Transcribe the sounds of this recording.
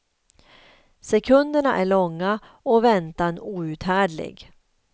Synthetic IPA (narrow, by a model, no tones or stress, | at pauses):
sɛkʰɵnd̪əɳaʔæɭɔŋːa | ɔvɛnt̪anuːʉ̟ːt̪hæːɖɭɪ̰ɡ